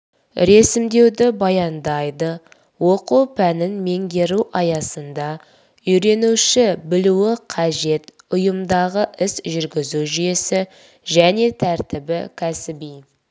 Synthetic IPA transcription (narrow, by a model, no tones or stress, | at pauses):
ɾe̞sɪmd̪e̞wd̪ɪbɑjɑnd̪ɑjd̪ə | woquwpʰænɪnme̞ŋɡʲe̞ɾuʔɑjɑsənd̪ɑ | ʏjɾe̞nuʃɪbɪluwɪqʰɑʒe̞t̪ | ʊjəmd̪ɑʁəʔɪsʒʏɾɡʲɪzuʒije̞sɪ | ʒæne̞t̪ʰæɾt̪ɪbɪkʲʰæsɪbij